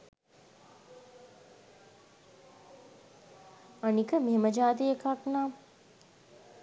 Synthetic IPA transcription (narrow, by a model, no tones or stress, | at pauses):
anikəmeɦeməd͡ʒaːt̪̬ijəkaknaː